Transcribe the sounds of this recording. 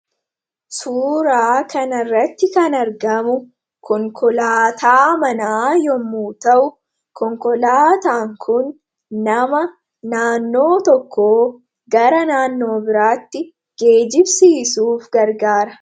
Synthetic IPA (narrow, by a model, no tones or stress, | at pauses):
suːɾaːkʰɐnɐrːɐt̪ːɪkɐnɐɾɡɐmʊ | kʰɔŋkʰɔlaːt̪ʰaːmɐnaːjɔmːuːt̪ɐʔʊ | kɔŋkɔlaːt̪aːŋkʰʊn | nɐmɐ | naːnːo̞ːt̪ɔkːoː | ɡɐɾɐnaːnːo̞ːbɪɾaːt̪ːɪ | ɡ̥e̞ːd͡ʒɪbsiːsuːfɡɐɾɡaːɾɐ